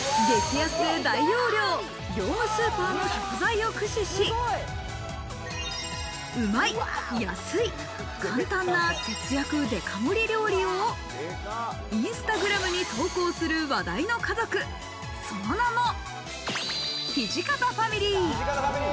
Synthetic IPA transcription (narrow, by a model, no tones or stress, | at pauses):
ɡe̞kʲijasɨd̪aijo̞ːɾʲo̞ː | ɡʲo̞ːmɯ̟sɨːpaːno̞ɕo̥kɯzaio̞kɯ̟ɕiɕi | ɯ̟maijasɨi | kãnt̪ãnːaket͡sɨjakɯ̟d̪e̞kʰamoɾʲiɾʲo̞ːɾʲio | ĩɰ̃sɨ̥t̪aɡɯ̟ɾamɯ̟ɲ̟it̪o̞ːko̞ːsɨɾɯ̟βad̪aino̞kazo̞kɯ̟ | so̞nonano̞ | çiʑikat̪aɸamʲiɾʲiː